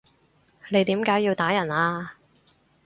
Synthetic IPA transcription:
le˨˧jt̪iː˨˥mkaː˨˥jiː˧wt̪aː˨˥jɐ˨˩naː˧

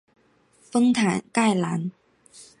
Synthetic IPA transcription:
fɤ˥ŋt̪ʰa˨˥nka˥˩jlaː˨˥n

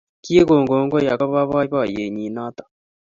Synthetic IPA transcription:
ki˦e˦ɣo˨ŋɡo˨˦ŋɡɔ˦ja˨ka˦βa˦βa˦βa˦˨je˨ɲi˨naː˦t̪ḁ˨

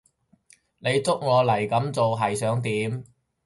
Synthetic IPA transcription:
ne˨˧jt͡sʊ˥k̚ŋɔː˨˧lɐ˨˩jkɐ˨˥mt͡so˨wɦɐ˨jsœː˨˥ŋt̪iː˨˥m

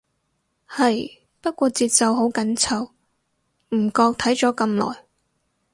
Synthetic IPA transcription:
hɐ˨j | pɐ˥t̚kʷɔː˧t͡siː˧t̚sɐ˨wɦo˨˥wkɐ˨˥nt͡sʰɐ˨˧w | m̩˨˩kɔː˧k̚t̪ʰɐ˨˥jt͡sɔː˨˥kɐ˧mlɔ̰ː˨˩j

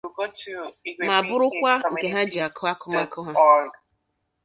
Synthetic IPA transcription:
ma˨bʊ˦ɾʊ˦kʷa˦ŋ̩˨ke˨ɦa˦d͡ʒi˨a˨kʊ˦a˦kʊ˦ma˦kʊ˦ɦa˦˨

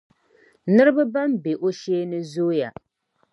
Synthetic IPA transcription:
nɨ˦ɾɨ˦bɨ˦ba˦mbe˨ʔo˦ʃeː˦nɨ˦zoː˦ja˨

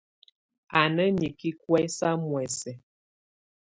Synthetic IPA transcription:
a˨nə˦ɲi˨ki˦kwɛ˦sa˦mwɛ˨sɛ˨

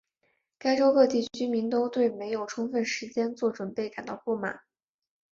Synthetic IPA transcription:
ka˥ɪʈ͡ʂo˥ʊkɤ˥˧t̪̬i˥˩t͡ɕt͡ɕʰy˥mi˧˥ŋt̪o˥ʊt̪we˥˩ɪme˧˥ɪjo˨˩ʊʈ͡ʂʰʊ˥ŋfə˥˩nʂɻ̩˧˥t͡ɕjɛ˥nt͡swɔ˥˩ʈ͡ʂwə˨˩npe˥˩ɪka˨˩nt̪ɑ̰˥˧ʊpu˥˩ma̰˨˩˦

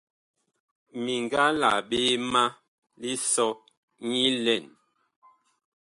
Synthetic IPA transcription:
mi˨ŋɡa˦la̰˨ɓe˦ma˦ | li˦sɔ˦ | ɲi˦lɛ˦˨n

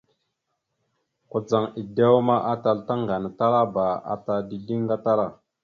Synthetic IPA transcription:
ku˨d͡za˨ŋi˨de˦wma˦ʔa˦ta˨lta˦ŋɡa˨na˨ta˦ɾa˦ba˨a̰˨ta˨ldi˨di˦ŋ˦ɡa˦ta˦ɾa˦˨

